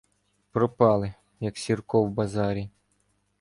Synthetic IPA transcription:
pɾɔpɑlˠɪ | jɐksʲirkɔwbɐzɑɾʲi

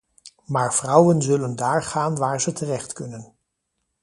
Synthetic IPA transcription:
maːɹv̥rʌwənzɵləndaːɹχaːnʋaːɹzətərɛχtkɵnən

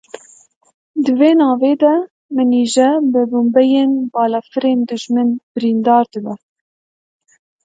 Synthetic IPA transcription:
d̪ɨveːnɑːveːd̪ɛ | mɨniːʒɛbɨbumbɛjeːnbɑːlɑfɨɾeːnd̪ɨʒmɨnbɪɾiːnd̪ɑːɾd̪ɨbɛ

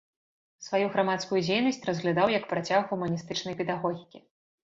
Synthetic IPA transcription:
svajuɣɾamat̪skujud͡zʲejnɐsʲt͡sʲrɐzɣlʲad̪awjɐkpɾat͡sʲaɣɣumɐnʲist̪ɨt͡ʂnɐjpʲɛd̪aɣɔɣʲikʲi

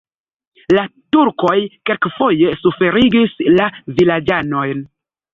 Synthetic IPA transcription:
latuɾko̞jkelkfo̞je̞sufe̞ɾiɡislavilad͡ʒano̞jn

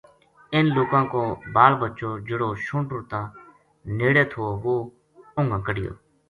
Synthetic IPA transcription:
ɪnloːkãːkõːbaːlbətːt͡ʃoːd͡ʒəɽoːʃũːɳʈʊːt̪ãː | neːɽeːt̪ʰoːoːʋoː | ʊ̃ŋɡãːkəɽɪjo̰ː

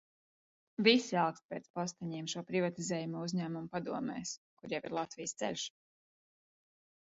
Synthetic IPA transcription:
visialˠkst̪̚pɛːt̪spɔst̪aɲiɛmʃuɔpɾivat̪izɛːjumuɔuzɲæːmumpad̪uɔmɛ̰ːskuɾjavḭɾlˠat̪vijst̪sɛ̰lʲʃ

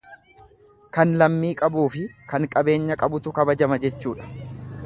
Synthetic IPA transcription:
kɐnlɐmːiːkʼɐbuːfɪkɐŋkʼɐbe̞ːɲːɐkʼɐbʊt̪ʊkɐbɐd͡ʒɐmɐd͡ʒɛt͡ʃːuːᶑɐ̥

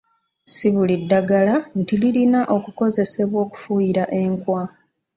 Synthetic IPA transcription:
siβulidːaɡalantililinaʔo̞kuko̞ze̞se̞βwo̞ːku̥fujiɾaʔe̞ŋkwa

